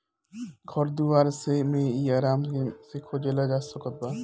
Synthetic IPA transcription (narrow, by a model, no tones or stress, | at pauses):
kʰɔɾd̪uʋaːɾsemẽiaːɾaːmsekʰoːd͡ʒelad͡ʒaːsəkət̪̚baː